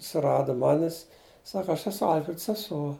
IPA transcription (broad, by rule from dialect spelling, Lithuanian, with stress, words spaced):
sʊˈrɑːdʊ ˈmɑːnʲɪs ˈsɑːkɐ ˈɐʃ ɛˈsʊ ˈɐlʲfʲrʲɛt sʲɛˈsuɔ